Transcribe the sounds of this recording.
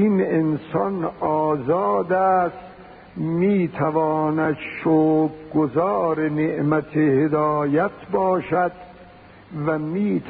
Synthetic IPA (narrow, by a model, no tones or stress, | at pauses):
inensɒnɒːzɑːd̪æːst̪ | miːt̪ʰævɒːnæd̪ʃoːɡɡozɑːɾeneʔmæt̪ʰehed̪ɒːjæt̪ʰbɒːʃæd̪ | væmiːt̪